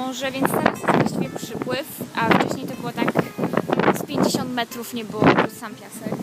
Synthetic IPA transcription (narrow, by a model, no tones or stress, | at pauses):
ɔʐɛvʲjɛnt̪st̪ɛɾasvwaɕt͡ɕivʲjɛpʂɘpwɘfʔaft͡ʂɛɕɲejt̪ɔbɨwɔt̪ak | spʲjeɲd͡ʑeɕɔnt̪mɛt̪ɾufɲɛbɘwɔbsampʲjasɛk